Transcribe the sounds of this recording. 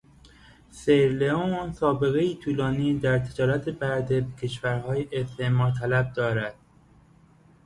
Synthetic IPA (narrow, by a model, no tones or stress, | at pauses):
seɾleonsɒːbe̞ɣeiːt̪ʰuːlɒːniːd̪æɾt̪ʰe̞d͡ʒɒːɾæt̪ʰebæɾd̪e̞becʰe̞ʃvæɾhɒːjeʔest̪ʰeʔmɒːt̪ʰælæb̚d̪ɒːɾæd̪̥̚